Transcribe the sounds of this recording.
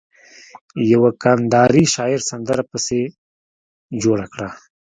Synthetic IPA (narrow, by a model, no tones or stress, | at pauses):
jawakand̪ɑɾiʃɑɪɾsand̪əɾapəse | d͡ʒoɽakɽa